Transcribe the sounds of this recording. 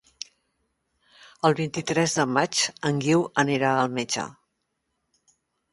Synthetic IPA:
əlˠβint̪it̪ɾɛzðəmat͡ʃəŋɡiwəniɾaəlˠmed͡ʒə̰

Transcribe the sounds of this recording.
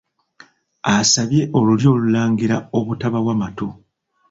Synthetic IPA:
asaβje̞ʔo̞luljo̞ːlulaːŋɡiɾao̞βutaβawamato

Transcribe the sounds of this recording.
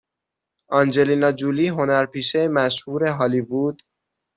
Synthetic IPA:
ɒːnd͡ʒe̞liːnɒːd͡ʒuliːɦo̞næɾpʰiːʃemæʃhuːɾeɦɒːlibuːd̪̥

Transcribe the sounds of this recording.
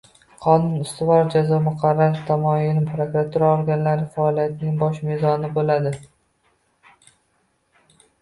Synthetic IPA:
qʰɒnʊnʊst̪ʊvɒɾd͡ʒazɒmʊqʰɑɾːaɾt̪ʰamɒɪlɪmpɾokɾat̪ʰuɾaoɾɡʲanlaɾɪfaːlˠijat̪ʰnɪŋbɒʃmezɒnɪbolad̪ɪ

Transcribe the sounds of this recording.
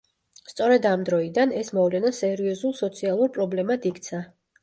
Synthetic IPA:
st̪sʼɔɾɛd̪amd̪ɾɔid̪anɛsmɔvlɛnasɛɾiɔzulˠsɔt̪sʰialˠuɾpʼɾɔblɛmad̪ik̚ʰt̪sʰa

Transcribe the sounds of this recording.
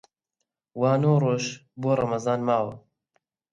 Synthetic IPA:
waːnoːroːʃboːrˤɐmɐzɑːnmaːwɐ

